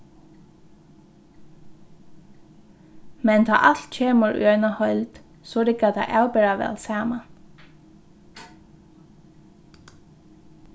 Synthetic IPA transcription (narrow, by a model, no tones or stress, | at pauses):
mɛnd̪ʰɑ̰ːʔɑlt̪c͡çeːməɹʉ̰ːœʏnɑhɔʏld̪̥ | soːɾɪkɑd̪ɑ̰ʔɑʉbeɹɑʋɛ̰lsæːmɑn